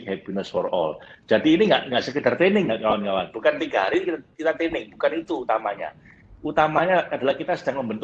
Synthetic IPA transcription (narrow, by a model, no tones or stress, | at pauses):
khɛpinəsfɔrɔ̰ld͡ʒ̥adiːniŋɡaʔŋɡaʔsəkədart̪enɪŋːaʔkawankawanb̥ukant̪iɡaɾikkit̪at̪enɪŋ̚b̥ukanit̪uːt̪amaɲa̰ | ut̪amaɲaadalahkit̪asə̥d̥aŋməmbənt̪